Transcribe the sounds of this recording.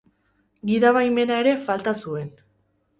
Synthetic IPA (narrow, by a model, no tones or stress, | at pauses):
ɡiðaβajme̞nae̞ɾe̞falt̪asue̞n